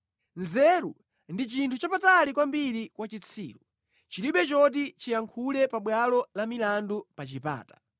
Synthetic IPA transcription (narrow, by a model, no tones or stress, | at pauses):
nzɛɾṵ | ndit͡ʃintʰut͡ʃapatalikwambiɾikwat͡ʃit͡sʰḭːɾu | t͡ʃiliɓɛt͡ʃɔt̬it͡ʃijaŋkʰulɛpaɓwalɔlamilandupat͡ʃipa̰ːtḁ